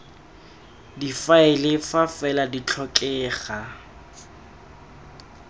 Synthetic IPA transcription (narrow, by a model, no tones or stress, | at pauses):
difaɪlɪfafɛladit͡ɬʰɔkʼɛːχa